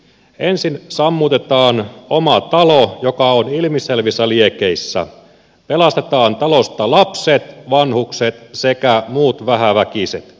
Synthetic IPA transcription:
ensinsɑmːut̪e̞t̪ɑːnomɑt̪ɑlojokɑonilmiselʋisːæliekeisːæ̰ | pelɑst̪et̪ɑːnt̪ɑlost̪ɑlɑpset̪ʋɑnhukset̪sekæmuːt̪ʋæɦæʋækiset̪

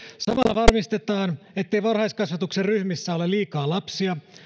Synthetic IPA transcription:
sɑmɑlːɑ̰ʋɑrmist̪e̞t̪ɑːn | et̪ːejʋɑrhɑjskɑsʋɑt̪ukserryhmisːæoleliːkɑːlɑpsiɑ

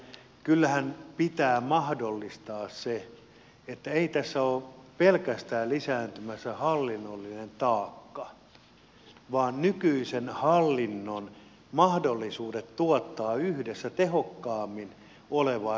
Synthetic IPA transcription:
kylːæhænpit̪æːmɑhdolːist̪ɑːsse | et̪ːæeit̪æsːæoːpelkæst̪æːllisæːnt̪ymæsːæhɑlːinːolːinent̪ɑːkːɑ | ʋɑːnnykyisenhɑlːinːon | mɑhdolːisuːdet̪t̪uɔt̪ːɑːyhdesːæt̪ehokːɑːmːin | oleʋɑ

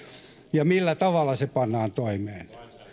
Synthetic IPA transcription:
jɑmilːæt̪ɑʋɑlːˑɑsepɑnːɑːnt̪oimeːn

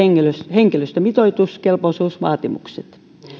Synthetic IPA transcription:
eŋːeløsheŋkiløst̪æmit̪oit̪uskelposuːsʋɑ̰ːt̪imṵksḛt̪

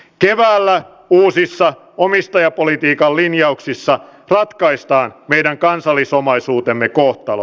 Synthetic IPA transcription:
keʋæːlːæ | uːsisːɑ | omist̪ɑjɑpolit̪iːkɑllinjɑuksisːɑrɑt̪kɑist̪ɑːnme̞ijɾæŋkɑnsɑlːisomɑisuːt̪emːekoht̪ɑlo̰

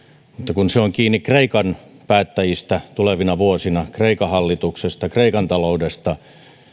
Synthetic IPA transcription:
mut̪ːɑkunseoŋkiːnːikreikɑn | pæːt̪ːæjist̪æt̪uleʋinɑʋuosinɑkreikɑhɑlːit̪uksest̪ɑkreikɑnt̪ɑloudest̪ɑ

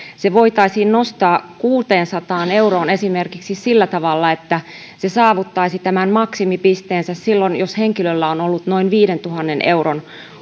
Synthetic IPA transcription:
seʋoit̪ɑisiːnnost̪ɑːkuːt̪eːnsɑt̪ɑːne̞uroːnesimerkiksissilːæt̪ɑʋɑlːɑet̪ːæ | sesɑːʋut̪ːɑisit̪æmænmɑksimipist̪eːnsæssilːonjosheŋkilølːæonolːut̪no̞inʋiːɾent̪uhɑnːenḛuron

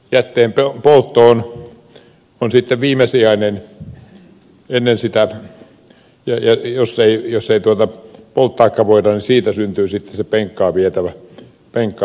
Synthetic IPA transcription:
jæt̪ːeːmpepolt̪ːoːn | onsit̪ːeʋiːmesiɑˑinen | enːensit̪æ | jɑjɑjosːeˑijoseit̪uot̪ɑpolt̪ːɑˑikːɑʋoˑit̪ɑnisiːt̪æsynt̪yːsit̪ːesepeŋkːɑːʋiet̪æʋæ | peŋkːˑɑ

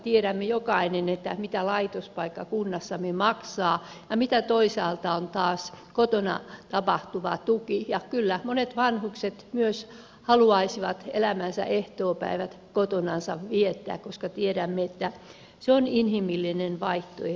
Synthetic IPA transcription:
t̪ieɾæmːejokɑinenet̪ːæmit̪ælɑit̪ospɑikːɑkunːɑsːɑmemɑksɑː | jɑmit̪æt̪oisɑːlt̪ɑont̪ɑːskot̪onɑ̰t̪ɑpɑht̪uʋɑt̪ukijɑkylːæmonet̪ʋɑnhukset̪myøs | hɑluɑisiʋɑt̪elæmænsæ̰ʔeht̪oːpæ̰iʋæt̪ | kot̪onɑnsɑʋʋiet̪ːæ̰ːkkoskɑt̪ieɾæmːeet̪ːæ | seoninhimilːinenʋɑiht̪o̰e

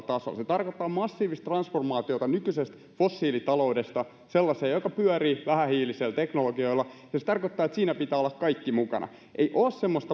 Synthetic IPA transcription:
t̪ɑso̰lset̪ɑrkot̪ːɑːmɑsːiːʋist̪t̪rɑnsformɑːt̪iot̪ɑnykysest̪ | fosːiːlit̪ɑloudest̪ɑ | selːɑseːjokɑpyœɾiːʋæhæhiːliselt̪eknoloɡio̞ilːɑjɑset̪ɑrkot̪ːɑːet̪siːnæpit̪æːolːɑkkɑikːimukɑ̰nʔɑ̰ | ʔeijʔoːssemːost̪ɑ

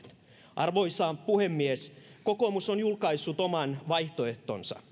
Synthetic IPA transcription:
ʔɑrʋojsɑːmpuhemːieskokomusonjulkɑjsːut̪omɑnʋɑjht̪oeht̪o̰nsɑ̰

